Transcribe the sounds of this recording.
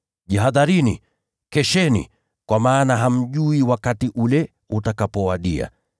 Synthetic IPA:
ʄaɦaðaɾinḭ | kɛʃɛnḭ | kwamaːnaɦam̩ʄuiwakatiʔulɛ | utakapɔwaɗia̰

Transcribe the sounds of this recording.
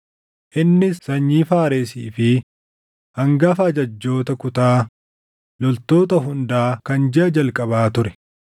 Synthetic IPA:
ʔɪnːɪsɐɲːiːfaːɾeːsiːfɪ | hɐŋɡɐfɐːd͡ʒɐd͡ʒːo̞ːt̪ɐkʊt̪aː | lɔlt̪o̞ːt̪ɐɦʊnd̪aːkɐnd͡ʒɛʔɐd͡ʒɐlkʼɐβaːt̪ʊɾɛ

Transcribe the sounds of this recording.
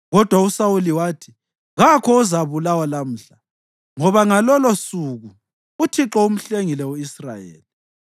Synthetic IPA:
ɣɔd̥ʱwausawuliwaːtʰi | ɣakʰɔuzaβulawalam̩ːɬa | ŋɔβaŋalɔlɔsuɣu | utʰiǁɔum̩ɬeŋilɛwuisra̰jḛːli

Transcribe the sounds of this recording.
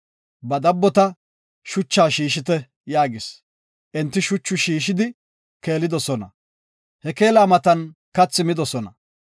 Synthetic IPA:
bɐd̪ɐbːɔt̪ɐ | ʃʊt͡ʃːaːʃiːʃɪt̪ɛ | jaːɡɪs | ʔɛnt̪ːɪʃʊt͡ʃːʊʃiːʃɪd̪ɪ | ke̞ːlɪd̪ɔsɔnɐ̰ | hɛke̞ːlaːmɐt̪ɐnkɐt͡sːɪmɪd̪ɔsɔnɐ̰

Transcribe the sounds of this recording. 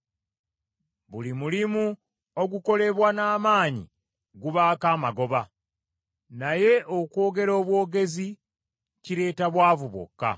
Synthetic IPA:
βulimulimu | o̞ɡuko̞le̞βwanaːmaːɲḭ | ɡuβaːkaːmaɡo̞βa | naje̞ʔokwo̞ːɡe̞ɾo̞ːβwo̞ːɡe̞zi | ciɾe̞ːtaβwaːvuβo̰kːa̰

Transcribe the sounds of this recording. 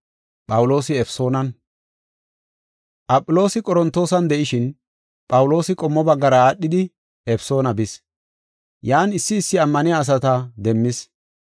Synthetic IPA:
pʼɐwʊlo̞ːsɪɛfso̞ːnɐn | ʔɐpʼːʊlo̞ːsɪkʼɔɾɔnt̪o̞ːsɐnd̪ɛʔɪʃɪn | pʼɐwʊlo̞ːsɪkʼɔmːɔbɐɡːɐɾɐaːɗːɪd̪ɪ | ɛfso̞ːnɐbɪs | jaːnɪsːɪːsːɪɐmːɐnɪjaːs̬ɐt̪ɐd̪ɛmːɪs

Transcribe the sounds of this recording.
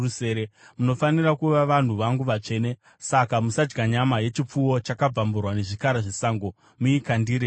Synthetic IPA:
useːɾemuno̞fanirakuʋaʋan̤uʋaŋɡuʋat͡ʂe̞ːne̞ | sakamusad͡ʒɡaɲamaje̞t͡ʃip͡fuwo̞t͡ʃakab͡vamburwane̞ʐikaɾaʐisaŋɡo̞ | muikandiːɾe

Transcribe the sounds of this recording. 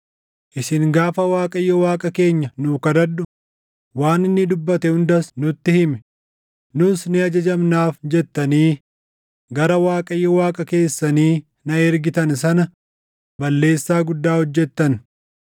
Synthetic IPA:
ʔɪsɪŋɡaːfɐwaːkʼɐjːɔwaːkʼɐke̞ːɲːɐnuːkɐd̪ɐd̪ːʊ | waːnɪnːɪd̪ʊbːɐt̪ɛhʊnd̪ɐsnʊt̪ːɪhɪmɛ̥ | nʊsnɪɐd͡ʒɐd͡ʒɐmnaːfd͡ʒɛt̪ːɐniː | ɡɐɾɐwaːkʼɐjːɔwaːkʼɐke̞ːsːɐniː | nɐɛɾɡɪt̪ɐns̬ɐnɐ | bɐlːe̞ːsːaːɡʊd̪ːaːhɔd͡ʒːɛt̪ːɐn

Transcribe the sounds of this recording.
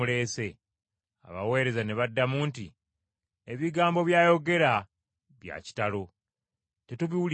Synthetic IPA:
ule̞ːse̞ | a̰βa̰we̞ːɾe̞zane̞βadːamuːnti | eβiɡaːmbo̞βjaːjo̞ɡe̞ɾa | βja̰ci̥talo̞ | te̞tuβiwul

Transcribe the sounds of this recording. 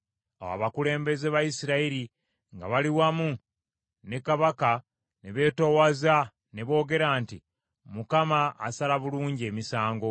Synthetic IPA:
awa̰βakule̞ːmbe̞zeβajisiɾaiɾi | ŋɡa̰βaliwamu | ne̞kaβaka | ne̞βe̞ːto̞waza | ne̞βo̞ːɡe̞ɾaːnti | mukama̰ːsalaβuluːɲɟie̞ːmisaːŋɡo̞

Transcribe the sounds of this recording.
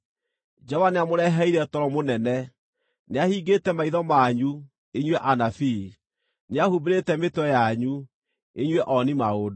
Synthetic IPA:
d͡ʒɔvaneamoɾɛɦɛiɾɛtɔɾɔmonɛnɛ | neahiɡetɛmaiðɔmaɲu | eɲwɛʔanafi | neahubeɾetɛmetwɛjaɲu | eɲwɛʔɔnimaod

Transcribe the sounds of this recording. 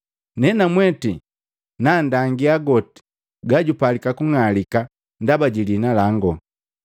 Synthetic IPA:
nɛnamwɛti | nandaŋɡiaɡɔti̥ | ɡaɟupalikakuŋalika | ndabaɟilinalaŋɡɔ

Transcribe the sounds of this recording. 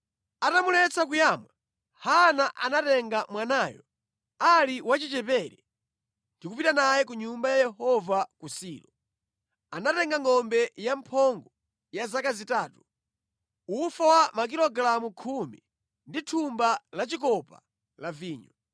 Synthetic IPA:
atamulɛt͡sakujaːmwa | hanaʔanatɛŋɡamwanaːjɔ̰ | aliwat͡ʃit͡ʃɛpɛɾɛ | ndikupitanajɛk̬uɲumbajajɛhɔvakusiːlɔ | anatɛŋɡaŋɔmbɛjampʰɔŋɡɔ | jazakazitaːtu | ufawamak̬ilɔɡɾamukʰumi | nditʰumbalat͡ʃikɔpa | laviːɲɔ

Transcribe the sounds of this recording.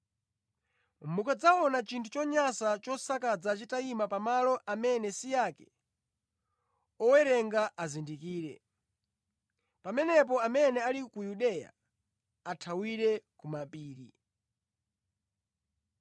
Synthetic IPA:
mukad͡zaɔnat͡ʃintʰut͡ʃɔɲasat͡ʃɔsakad͡zat͡ʃitaimapamalɔʔamɛnɛsijakɛ̥ | ɔwɛɾɛŋɡaʔazindikiːɾɛ̰ | pamɛnɛp̬ɔamɛnɛalikujuɗɛja̰ | atʰawiɾɛkumapiːɾi

